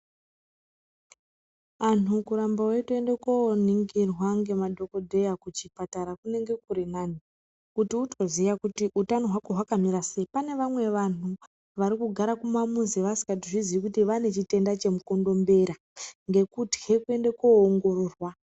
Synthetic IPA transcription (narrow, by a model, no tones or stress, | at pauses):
anukuɾambawe̞tue̞ndekoniŋɡirwaŋɡe̞madʱo̞kodʱe̞jakut͡ʃipataɾakune̞ŋɡe̞kuɾinani | kutiutʰo̞zijakutiʔutano̞ɦwako̞ɦwakamiɾase̞ipane̞ʋamwe̞ʋanu | ʋaɾikuɡʱaɾakumamuziʋasi̥kat̬iʐizikutiʋane̞t͡ʃite̞ndat͡ʃe̞muko̞ndo̞mbe̞ɾa | ŋɡe̞kutɡe̞kue̞ndekoːŋɡo̞ro̞ːrwa